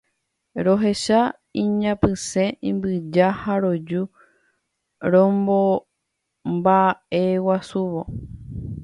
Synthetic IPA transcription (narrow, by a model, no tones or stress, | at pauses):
ɾo̞ɦe̞ʃa | ĩɲãpɨsẽ̞ʔĩmbɨd͡ʒahaɾo̞d͡ʒu | ɾõmbo | mbae̞wasuʋo̞